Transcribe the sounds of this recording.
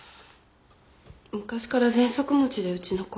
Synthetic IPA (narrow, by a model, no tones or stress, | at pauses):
mɯ̟kaɕi̥kaɾazẽ̞ɰ̃so̞kɯ̟mot͡ɕid̪e̞ɯ̟t͡ɕino̞ko